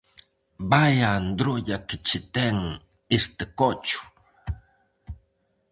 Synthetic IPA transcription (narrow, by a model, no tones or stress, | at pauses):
bajand̪ɾoʎakɪt͡ʃɪt̪eŋ | ɪst̪ɪkot͡ʃʊ̥